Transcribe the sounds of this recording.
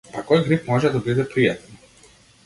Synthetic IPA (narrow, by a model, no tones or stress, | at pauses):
pakɔjɡɾipmɔʒɛd̪abid̪ɛpɾijat̪ɛn